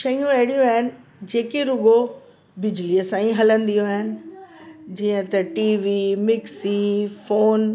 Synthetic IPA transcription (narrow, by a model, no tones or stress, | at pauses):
ʃɐjũɐɦɪɽijũaːɦɪnɪ̆d͡ʑeːkeɾʊɡo | bɪd͡ʑliəsãːĩɦɐlə̃nd̪ijũaːɦɪnɪ̆ | d͡ʑiːə̃t̪ɐʈiːʋimɪksifoːn